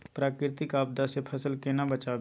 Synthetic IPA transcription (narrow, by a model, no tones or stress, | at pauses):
pɾaːkɾɪt̪ɪkaːb̚d̪asepʰɐsəlkenabɐt͡ʃaː